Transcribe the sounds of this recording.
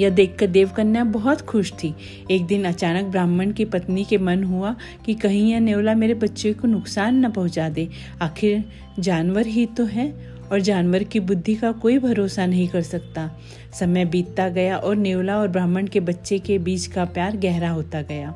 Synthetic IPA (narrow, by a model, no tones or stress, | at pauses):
jɐd̪eːkʰːɐɾd̪eːʋkɐɾnjabɐɦɔt̪xʰʊʃt̪ʰi | eːk̚d̪ɪnɐt͡ʃaːnək̚bɾaːmːənkipɐt̪nikemɐnɦua | kikɐɦĩjaneːwlameːɾebɐtːʃekonʊksaːnːɐpɐɦʊ̃t͡ʃaːd̪eː | aːxʰɪɾ | d͡ʒaːnwəɾɦit̪oɦɛ | ɔːɾd͡ʒaːnʋəɾkibʊd̪ʱːikakoːibʱɐɾoːsanɐɦĩkɐɾsɐkt̪a | sɐməjbiːt̪t̪aɡɐjaʔɔːɾneːʊlaɔːɾbɾaːməɳkebɐtːʃekebiːt͡ʃkapjaːɾɡɛɦɾaɦoːt̪aɡɐjaː